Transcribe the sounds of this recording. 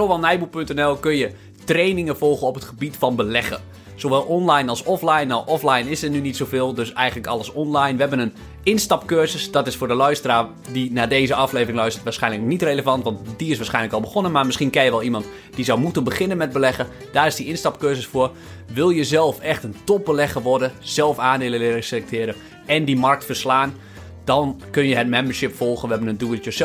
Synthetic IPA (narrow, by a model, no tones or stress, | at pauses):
soʋɛlˠnɛjbupɵntɛnɛlˠkønjə | trejnɪŋəvɔlˠɣəɔpətχəbitfɑnbəlɛɣə̰ | z̥oʋɛlˠɔnlajnɑlˠsɔflajnɔwʔɔflajnɪsənynitsowvɪːlˠdøsɛjɣən̩ləkɑ̰ləsɔnlajnʋəɦɛbənən | ɪnstɑpkøzəsd̥ɔtɪsfʊːdəlœɥstəraː | dinaːdeːzəɑfleːvrɪŋlœɥstətʋaːsχɛjnləknitreləvɑntʋɑntdiɪsʋaːsχɛjnləkɔlˠbəχonənmaɹmɪsχiənkɛjəʋɛlˠimɑnt | d̥izɔwmutənbəχɪnənmɛt̚bəlɛɣə | d̥aːrɪsdiɪnstɑp̚køːzəsfʊər | ʋɪlˠjəzɛlˠfɛxtəntɔp̚bəlɛɣəʋɔrdəz̥ɛlˠfaːndɪːlˠəlɪrəselɛk̚tʰɪəɾə | ɛndimark̚tfərslaːn | d̥ɔnkønjəɦət̚mɛmbərʃɪpfɔlˠχənʋəɦɛbənənduəjəs